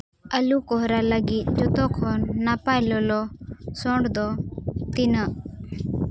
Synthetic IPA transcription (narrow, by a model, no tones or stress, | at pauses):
əlukɔɦɾaləɡit̪̚d͡ʒɔt̪ɔkʰɔnːapajlɔlɔsɔɳɖd̪ɔt̪inə